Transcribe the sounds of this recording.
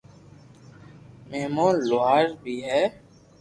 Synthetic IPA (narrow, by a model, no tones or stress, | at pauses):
meɦmaːnloɦaːɾbʱiːɦɛː